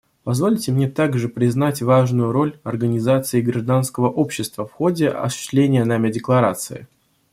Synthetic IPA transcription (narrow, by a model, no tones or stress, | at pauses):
pɐzvo̞lʲtʲɪmnʲet̪aɡʐɨpɾʲɪznatʲvaʐnʊjʊɾo̞lʲɐrɡənʲɪzat̪sɨɪɡɾɐʐd̪anskəvəʔo̞pɕːɪst̪vəfxo̞dʲɪɐ̰sʊ̥ɕɪsʲt̪lʲenʲɪjənamʲɪdʲɪklˠɐɾat̪sɨ̰ɪ̰